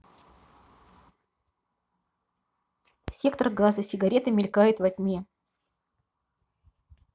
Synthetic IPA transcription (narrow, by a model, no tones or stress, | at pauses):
sʲe̞kt̪ərɡazəsʲɪɡɐɾʲe̞t̪ɨmʲɪlʲkajɪt̪vɐtʲmʲe̞